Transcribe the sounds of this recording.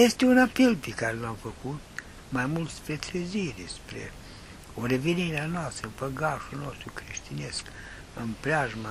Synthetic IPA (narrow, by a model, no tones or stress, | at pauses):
est̪eunapelpikaɾelamfəkut̪ | majmult̪spɾet̪ɾeziɾispɾḛ | oɾeveniɾeanast̪ɾəmpəɡaʃunost̪ɾukɾiʃt̪inesk | əmpɾʲaʒma